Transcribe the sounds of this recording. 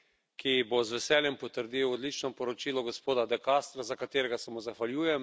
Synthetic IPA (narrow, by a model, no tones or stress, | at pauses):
kibozʋɛsɛːljɛmpɔt̪əɾd̪iːwɔd̪lit͡ʃnɔpɔɾɔt͡ʃiːlɔɡospoːd̪ad̪ɛkast̪ɾazakat̪eːɾɛɡasɛmɔzaxʋaljuːjɛm